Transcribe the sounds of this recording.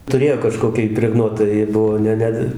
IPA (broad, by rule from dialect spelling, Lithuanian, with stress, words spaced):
tʊˈrʲeːjoː kɐˈʃkoːkʲɪ ɪpʲrʲɛˈɡnuɔtɐ jɪ ˈbʊʋoː ˈnʲɛ ˈnʲɛ